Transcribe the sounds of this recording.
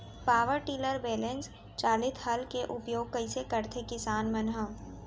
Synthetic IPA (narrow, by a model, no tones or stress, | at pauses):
paːʋəɾʈiːləɾbeːlens | t͡ʃaːlɪt̪ʰɦɐlkeʔʊpjoːɡ̚kɐisekəɾt̪ʰekɪsaːnmɐnɦə